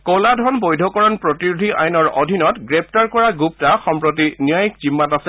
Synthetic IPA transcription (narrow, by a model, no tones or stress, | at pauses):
kɔladʱɔnbojdʱɔkɔɹɔnpɹɔtiɹudʱiʔa̰jnɔɹɔ̰dʱinɔtɡɹɛp̚ʰtaɹkɔɹaɡup̚taxɔmpɹot̬inijajikzimːatasɛ